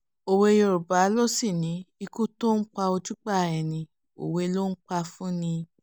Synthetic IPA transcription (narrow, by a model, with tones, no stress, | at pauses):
o˨we˧jo˧ɾu˨ba˨˦lo˦si˦˨nĩ˨˦i˧ku˦to˦k͡pa˧o˧d͡ʒu˦k͡pa˦˨ɛ˨nĩ˨ | o̰˨we˧lo˦n̩˦k͡pa˧fũ˦nĩ˧